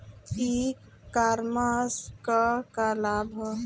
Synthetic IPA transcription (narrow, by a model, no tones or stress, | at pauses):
i | kaɾmaskəkalabʱə